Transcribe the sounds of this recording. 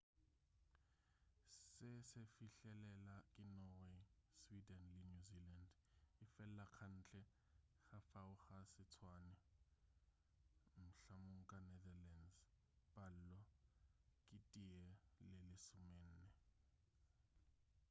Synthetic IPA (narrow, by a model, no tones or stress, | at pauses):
sɪsɪfiɬɛlɛlakʼɪnɔweswidɛnlɪnuziland | ɪfɛllakʰan̩ːt͡ɬʼɛ | xafaʊxasɪt͡sʰwaːnɛ | m̩ɬamʊŋ̩kʼanɛðalɛns | pʼal̩lɔ | kʼɪtʼiɛlɪlɪsʊmen̩ːnɛ